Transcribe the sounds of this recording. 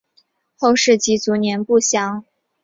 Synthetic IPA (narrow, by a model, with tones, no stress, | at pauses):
xo˥˧ʊʂɻ̩˥˩t͡ɕi˧˥t͡su˧˥njɛ˧˥npu˥˩ɕjɑ˧˥ŋ